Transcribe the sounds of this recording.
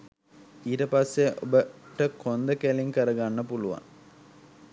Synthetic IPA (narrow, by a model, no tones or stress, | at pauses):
iːʈəpasːeʔobəʈəkʰond̪əkæliŋkəɾəɡanːəpuluʋa̰ŋ